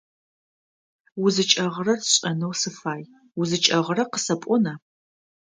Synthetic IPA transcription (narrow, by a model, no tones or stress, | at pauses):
wʊzɨt͡ʃʼɐʁrɐrɕʼɐnɨwsɨfaːj | wʊzɨt͡ʃʼɐʁərɐqəsɐpʷʼɔnaː